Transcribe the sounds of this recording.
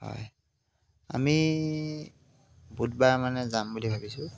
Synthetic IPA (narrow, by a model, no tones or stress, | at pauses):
hɔ̰j | a̰mi | bud̚baɹmanɛzambulibʱabisʊ